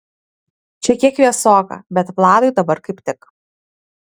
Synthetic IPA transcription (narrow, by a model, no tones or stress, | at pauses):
t͡ʃʲɛkʲiɛkʋʲiɛsoːkɐ̰bʲɛt̪plˠɑːd̪ʊɪd̪ɐbɐɾkɐɪpʲt̪ʲɪk